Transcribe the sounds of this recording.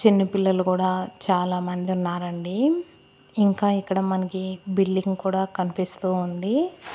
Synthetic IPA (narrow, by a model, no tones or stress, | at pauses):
t͡ʃinːɐpilːɐlukuːɽaːt͡ʃaːlaːmɐnd̪iunːaːɾɐɳɖiː | ŋkaːikːɐɽɐmɐnɐkibilːiŋɡkuːɽaːkɐnipist̪uːund̪i